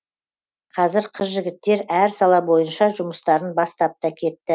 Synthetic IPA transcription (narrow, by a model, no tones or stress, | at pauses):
qʰɑzɪɾqʰəzʒɪɡʲɪt̪ːe̞ɾæɾsɑlˠɑbo̞jənʃɑʒʊməst̪ɑɾənbɑst̪ɑp̚t̪ɑkʲʰe̞t̪ːɪ